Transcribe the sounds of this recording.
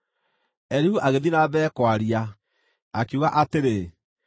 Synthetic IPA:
ɛɾihuʔaɣeðinabɛːkwaɾia | akiuɣaʔateɾe

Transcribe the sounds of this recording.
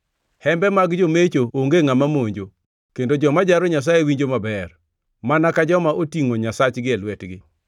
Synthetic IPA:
hɛmbɛmaɡd͡ʒomet͡ʃooŋɡeŋamamoɲd͡ʒo | kendod͡ʒɔmad͡ʒaɾoɲas̬ajewiɲd͡ʒomabɛr | manakad͡ʒɔmaʔotiŋoɲasat͡ʃɡɪɛlwɛtɡɪ

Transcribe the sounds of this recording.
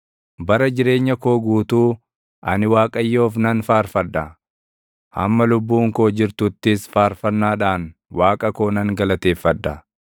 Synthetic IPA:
bɐɾɐd͡ʒɪɾe̞ːɲːɐko̞ːɡuːt̪uː | ʔɐnɪwaːkʼɐjːoːfnɐnfaːɾfɐd̪ːɐ | hɐ̰mːɐlʊbːuːŋko̞ːd͡ʒɪɾt̪ʊt̪ːɪsfaːɾfɐnːaːᶑaːnwaːkʼɐko̞ːnɐŋɡɐlɐt̪e̞ːfːɐd̪ːɐ

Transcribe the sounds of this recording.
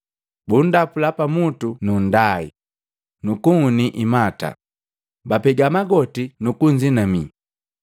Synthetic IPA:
bun̩dapulapamutunun̩daḭ | nukuŋuniʔimata̰ | bapɛɡamaɡɔtinukuɲd͡ʒinami

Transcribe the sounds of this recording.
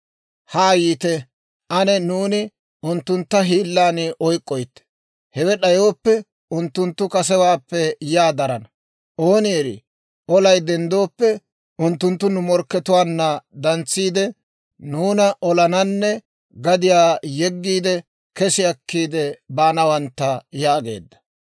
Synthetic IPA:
haːjiːt̪ɛ | ʔɐnɛnuːnɪ | ʊnt̪ːʊnt̪ːɐɦiːlːaːnɪʔɔjkʼːɔjt̪ːɛ̥ | hɛwɛɗɐjoːpːɛ | ʊnt̪ːʊnt̪ːʊkɐs̬ɛwaːpːɛjaːd̪ɐɾɐnɐ | ʔo̞ːnɪɛɾɪ̰ | ʔɔlɐjd̪ɛnd̪oːpːɛ | ʊnt̪ːʊnt̪ːʊnʊmɔɾkːɛt̪ʊwaːnːɐd̪ɐnt͡sːiːd̪ɛ | nuːnɐʔɔlɐnɐnːɛ | ɡɐd̪ɪjaːjɛɡːiːd̪ɛ | kɛsɪɐkːiːd̪ɛbaːnɐwɐnt̪ːɐjaːɡe̞̰ːd̪ːɐ̥

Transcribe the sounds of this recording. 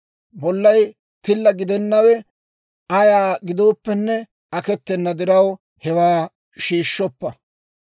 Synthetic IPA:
bɔlːɐj | t̪ɪlːɐɡɪd̪ɛnːɐwɛ | ɐjaːɡɪd̪oːpːɛnːɛ | ɐkɛt̪ːɛnːɐd̪ɪɾɐw | hɛwaː | ʃiːʃːɔpːɐ

